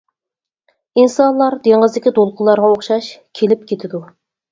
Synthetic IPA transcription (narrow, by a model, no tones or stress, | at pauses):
insɑnlˠɑɾd̪eŋʁəzd̪ɪkʲid̪olˠqʰʊlˠːɑɾʁɑoχʃɑʃkʲʰelɪpkʲet̪ʰɪd̪u